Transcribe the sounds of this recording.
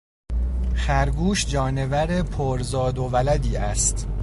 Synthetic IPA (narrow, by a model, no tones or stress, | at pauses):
xæɾɡuːʃd͡ʒɒːne̞væɾepʰoɾzɒːd̪ovælæd̪iːæst̪